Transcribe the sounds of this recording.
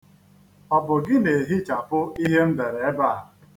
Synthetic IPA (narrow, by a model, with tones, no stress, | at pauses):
ɔ˨bʊ˨ɡɪ˦ne˨ɦɪ˦t͡ʃa˨pʊ˦i˦ɦe˦n̩˦de˨ɾe˨e˦ba˦˨